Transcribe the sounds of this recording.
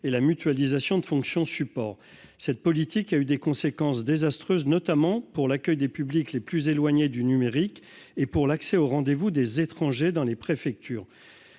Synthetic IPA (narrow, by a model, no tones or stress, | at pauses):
elamyt̪ɥalizasjɔ̃d̪əfɔ̃ksjɔ̃sypɔːʁ | sɛt̪̚pɔlit̪ʰikayd̪ekɔ̃sekɑ̃sd̪ezast̪χøznɔt̪amɑ̃puʁlakʲœjd̪epyblikleplyzelwaɲed̪ynymeʁik | epuʁlaksɛoʁɑ̃d̪evud̪ezet̪χɑ̃ʒed̪ɑ̃lepχefɛk̚t̪ʰyːʁ